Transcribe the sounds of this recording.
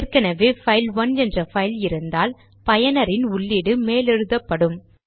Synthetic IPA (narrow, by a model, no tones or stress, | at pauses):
rkɐnɐʋeːfɐɪlʋɐnɛndrɐfɐɪlɪɾɯnd̪aːl | pɐjɐnɐɾɪnʊɭːiːɽɯmeːlɛɻɯðɐpːɐɽɯm